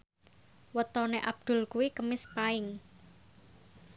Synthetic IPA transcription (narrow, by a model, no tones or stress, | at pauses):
wət̪ɔneʔab̚d̪̥ʊ̤lkuikəmɪspaɪŋ